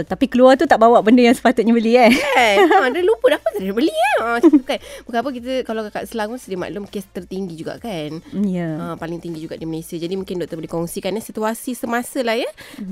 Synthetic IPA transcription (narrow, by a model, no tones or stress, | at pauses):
t̪apikəluart̪ut̪aʔbawaʔbəndəjaŋsə̥pat̪ʊt̪̚ɲabəliaɛdəlupʊt̪apəsədəbəliaəukanbukaapək̬it̪əkalawkaka̰ʔsəlaŋʊsədiəma̰ʔlʊmkest̪ərt̪iŋɡid͡ʒuɡa̰ʔkanjaəpalɪŋt̪iŋɡid͡ʒuɡa̰ʔdimənesiad͡ʒadimũŋkɪndɔʔt̪əbəlikɔŋsikanəsit̪uasisəmasəlahjə